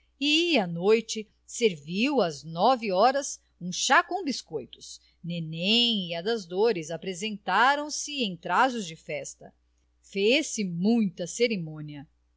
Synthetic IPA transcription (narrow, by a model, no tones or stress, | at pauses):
iɐnojt͡ʃɪ | seɾviwɐznɔvɪɔɾɐs | ũʃakõw̃biskojt̪ʊ̥s | nenẽiɐd̪ɐzd̪oɾɪzapɾezẽnt̪aɾɐ̃w̃sɪẽj̃t̪ɾazʊzd͡ʒɪfɛst̪ɐ | fesɪmũj̃t̪ɐseɾemõniɐ